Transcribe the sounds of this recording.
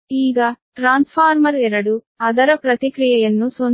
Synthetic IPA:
iːɡɐʈɾaːnspʰaːɾmɐɾɛɾɐɽu | ɐd̪ɐɾɐpɾɐt̪ikɾijɐjɐnːuson

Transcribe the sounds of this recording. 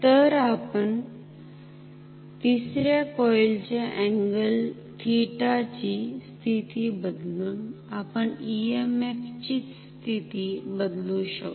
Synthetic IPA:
t̪əɾapəɳ | t̪isɾjakɔjlt͡ɕeʔɛ̃ŋɡəl | t̪ʰiʈat͡ɕist̪ʰit̪iːbəd̪luːnapəɳiemeft͡ɕiːt͡sst̪ʰit̪ibəd̪luɕə̰k

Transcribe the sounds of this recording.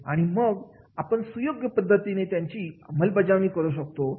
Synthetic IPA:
a̰ɽ̃iməɡ | apəɳsujoɡjəpəd̪ʱːət̪inet̪jaɲt͡ɕiːməlbəd͡ʑamiːkəɾuɕ̬ək̚t̪o

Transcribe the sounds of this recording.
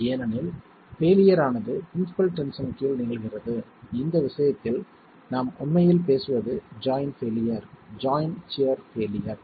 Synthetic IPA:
eːnɐnɪl | feːlɪjɐɾaːnɐðɯpɪɾɪnɪsɪ̥pɐlʈɛnsɐnɪkːjɪlnɪɣɐɪɣɪrɐðɯɪnd̪ɐʋɪsɐjɐt̪ːɪl | naːmʊnmɐjɪlpeːsɯʋɐðɯd͡ʒaːjnfeːlɪjɐɾd͡ʒaːjnt͡ʃɪɐɾfeːlɪjɐɾ

